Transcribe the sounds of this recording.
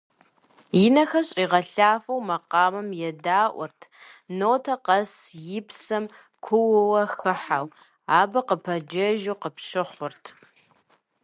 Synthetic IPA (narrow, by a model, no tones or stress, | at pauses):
jɪnɐxɐɕʼiːʁɐɬaːfɐwmɐqɑːmɐmjɛdaːʔʷɔrtʰnoːtʰɐqɐs | jɪpsɐm | kʷʰʊwɨwɐxɨħaw | aːbɐqəpʰɐd͡ʒɐʒuqəpɕɪχʷʊrtʰ